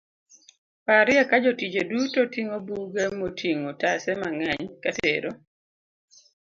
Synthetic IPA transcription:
paɾɪakad͡ʒotid͡ʒodutotiŋobuɡemotʰiŋotasɛmaŋɛɲkatḛɾo

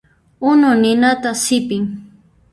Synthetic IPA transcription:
ʊnʊnɪnat̪asɪpɪŋ

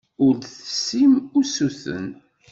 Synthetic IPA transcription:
ʊɾθəsːimʊɾsuθə̰n

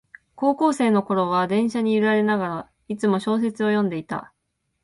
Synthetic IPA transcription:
ko̞ːko̞ːse̞ːno̞ko̞ɾo̞β̞ad̪ẽ̞ɰ̃ɕaɲ̟iɯɾaɾe̞naɡaɾa | it͡sɨmo̞ɕo̞ːs̬e̞t͡sɨo̞jõ̞nd̪e̞it̪a̰

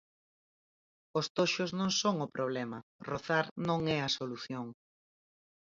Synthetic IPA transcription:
ʊst̪oʃʊznõŋsoŋʊpɾoβ̞lɛmɐroθaɾnõŋɛɐsoluθjoŋ

